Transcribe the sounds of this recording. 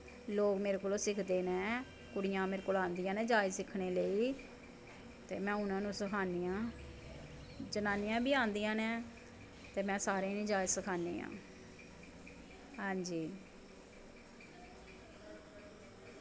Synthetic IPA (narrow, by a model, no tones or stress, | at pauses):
loːkmeːɾekoːloːsɪkʰd̪eːnɛ̃ː | kʊɽɪjãːmeːɾkoːlãːnd̪ijãːnɛ̃ːd͡ʒaːɪd͡ʒsɪkʰɽeːləiː | t̪eːmɛ̃ːʊnãːnũːsəkʰaːnijãː | d͡ʒənaːnɪjãːbiːãːnd̪ijãːnɛ̃ː | t̪eːmɛ̃ːsaːɾẽːnĩːd͡ʒaːɪd͡ʒsəkʰaːnḛːã̰ː | ɦãːɲd͡ʒiː